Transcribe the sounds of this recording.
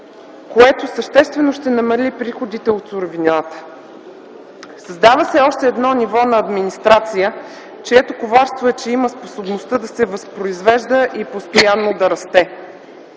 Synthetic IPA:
koɛt̪osəʃt̪ɛst̪vɛnoʃt̪ɛnɐmɐlʲipɾixod̪it̪ɛot̪sʊɾovinʲat̪ə̥ | sɐzd̪avəsɛɔʃt̪ɛːd̪nɔnivɔnɐːd̪minist̪ɾat̪sijə | t͡ʃɛɛt̪okovaɾst̪voɛt͡ʃɛiməsposobnost̪əd̪ɐsɛvɐspɾoizvɛʒd̪əʔipost̪ojanːod̪ɐɾɐst̪ɛ

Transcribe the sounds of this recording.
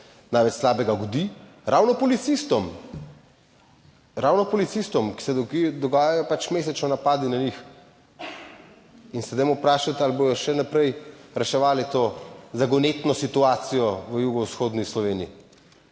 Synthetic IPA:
najʋɛt͡ʃslaːbɛɡaɡɔd̪i | ɾʔaːwnɔpɔlit̪sist̪ɔm | ɾawnɔpɔlit̪sist̪ɔmki̥sɛd̪ɔkid̪ɔɡaːjajɔpat͡ʃmeːs̬ɛt͡ʃnɔnapaːd̪inaɲix | insɛd̪ɛjmupɾaːʃat̪alboj̪ɔʃɛnapɾɛjɾɛʃɛʋaːlit̪oːzaɡɔnet̪nɔsit̪uaːt̪sijɔʋəjuːɡɔwsxoːd̪nislɔʋeːnijḭ

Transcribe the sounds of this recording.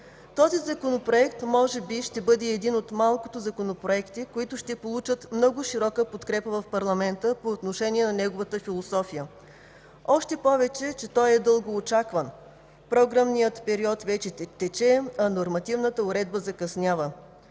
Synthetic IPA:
t̪ɔzizɐkonopɾoɛkt̪mɔʒɛbiʃt̪ɛbɤd̪ɛːd̪inot̪malˠkot̪ozɐkonopɾoɛkt̪ikoit̪ʊʃt̪ɛpolˠut͡ʃət̪mnɔɡʊʃiɾɔkəpot̪kɾɛpəvɐfpɐɾlˠɐmɛnt̪əpoːt̪noʃɛniɛnɐnɛɡovət̪əfilˠosɔfijə | ɔʃt̪ɛpɔvɛt͡ʃɛt͡ʃɛt̪ɔjɛd̪ɤlˠɡoːt͡ʃakvən | pɾɔɡɾamnijət̪pɛɾiɔt̪vɛt͡ʃɛt̪ɛt͡ʃɛɐnoɾmɐt̪ivnət̪əʊɾɛd̪̚bəzɐkɐsnʲjavə

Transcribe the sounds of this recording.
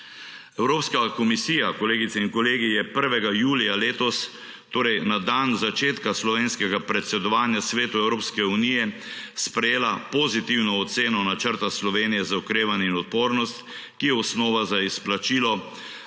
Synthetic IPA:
ɛwɾoːpskakɔmisiːjakɔleːɡit̪sɛinkɔleːɡijɛpəɾʋɛɡajuːlijaleːt̪ɔs | t̪oːɾɛjnad̪anzat͡ʃeːt̪kaslɔʋeːnskɛɡapɾɛt̪sɛd̪ɔʋaːnjasʋeːt̪uɛwɾoːpskɛunijɛspɾɛjeːlapɔzit̪iwnɔːt̪seːnɔnat͡ʃəɾt̪aslɔʋeːnijɛzaɔkɾeːʋanjɛinɔt̪̚poːɾnɔst̪ | kijɛɔsnɔːʋazaisplat͡ʃiːlɔ

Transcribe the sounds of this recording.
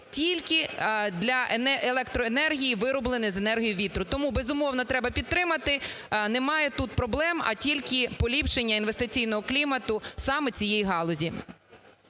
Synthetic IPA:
tʲilʲkɪd̪lʲɐʔenɛʔelˠɛkt̪ɾɔenɛrɦʲijiʋɪɾɔblˠenɪzenɛrɦijʊʋʲit̪ɾʊt̪ɔmubezʊmɔwnɔt̪ɾɛbɐpʲid̪̚t̪ɾɪmɐt̪ɪ | nɛmɑjɛt̪ut̪̚pɾɔblˠɛmɐ̰tʲilʲkɪpɔlʲipʃenʲːɐinʋe̞st̪ɪt͡sʲijnɔɦɔklʲimɐt̪ʊsɑmet͡sʲijɛjɦɑlˠɔzʲi

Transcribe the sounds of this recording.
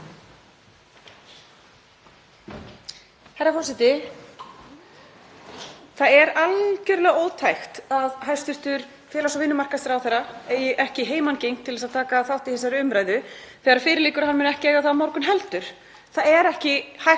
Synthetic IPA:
hajɾːafɔrsɛt̪ɪ | θaðɛɾalcʏɾlɛɣoːwt̪ʰajxt̪aðɦajst̪ʏr̥t̪ʏɾ | fjɛːlasɔvɪnːʏmar̥kasɪɾawθɛɾːaejɪʔɛhcɪɦeːjmancejŋt̪ʰɪlvɛsaðt̪ʰaːkaθawht̪ihɛsaɾʏmɾaːjðʏθɛːɣaɾ̥fɪːɾɪliːkʏɾhanmʏːnɛhcɪɛːɣaθamɔɾkʏnɦɛlt̪ʏɾ̥ | θaðɛɾɛhcɪhaj

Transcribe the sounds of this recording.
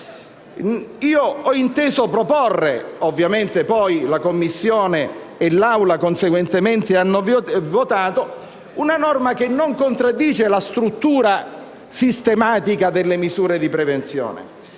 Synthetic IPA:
iːoɔint̪eːzopɾoporːḛovːjament̪epɔjlakomːisːjoːneː | lːawlakonseɡwent̪ement̪eanːovot̪aːt̪o | unanɔrmak̟enːoŋkont̪ɾad̪ːiːt͡ʃelast̪ɾut̪ːuːɾa | sist̪emaːt̪ikad̪elːemizuːɾed̪ipɾɛvent̪sjɔ̰ːnḛ

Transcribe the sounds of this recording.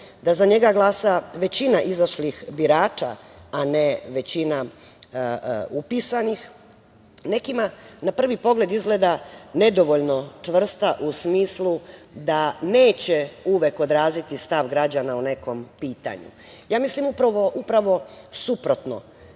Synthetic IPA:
d̪azaɲe̞ɡaɡlˠaːsaʋe̞t͡ɕinaʔizaʃlixbiɾaːt͡ʃa̰aneʋe̞t͡ɕina | upisanix | ne̞kimanapr̩ʋipo̞ɡle̞d̪izɡle̞ːd̪ane̞d̪o̞ʋoʎnot͡ʃʋr̩st̪aʔusmiːslˠud̪ane̞ːt͡ɕeuʋeko̞d̪ɾaːzit̪ist̪aʋɡɾad͡ʑanaune̞ko̞mpiːt̪a̰ɲṵ | jaːmislimupɾaʋo̞ʔupɾaʋo̞supɾo̞t̪no̰

